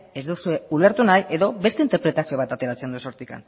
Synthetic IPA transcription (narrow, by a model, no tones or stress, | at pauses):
ezðusue̞ule̞ɾt̪unajʔe̞ðo̞be̞st̪e̞int̪e̞ɾpɾe̞t̪asio̞β̞at̪at̪e̞ɾat͡se̞nd̪uesoɾt̪ika̰n